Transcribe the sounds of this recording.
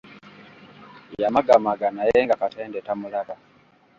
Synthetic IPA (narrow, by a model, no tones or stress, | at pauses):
jamaɡamaɡanajɛŋɡakatʰɛndɛtamulaβa